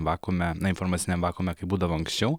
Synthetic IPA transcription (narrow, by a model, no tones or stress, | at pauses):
ʋɑːkoːmʲɛnɐɪnfoɾmɑːt̪sʲɪnʲɛmʋɑːkoːmʲɛkɐɪbuːd̪ɐʋoːɐŋksʲt͡ʃʲɛʊ